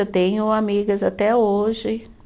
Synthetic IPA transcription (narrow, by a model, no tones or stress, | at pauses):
et̪ẽɲʊamiɡɐzat̪ɛoʒɪ